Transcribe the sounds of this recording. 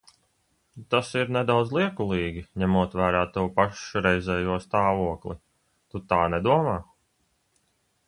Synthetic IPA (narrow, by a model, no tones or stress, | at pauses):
t̪asiɾnɛd̪awd̪zlˠiɛkulˠiːɡʲiɲɛmuɔt̪væːɾaːt̪uwpaʃɾɛjzʲɛːjuɔst̪aːvuɔklˠḭ | t̪ut̪aːnɛd̪uɔmaː